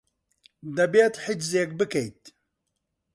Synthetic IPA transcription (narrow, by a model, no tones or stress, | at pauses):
d̪ɐbeːt̪ħid͡ʒzeːk̚bɨkɛjt̪